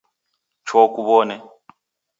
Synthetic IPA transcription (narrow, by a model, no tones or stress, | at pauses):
t͡ʃʰɔkuβɔnɛ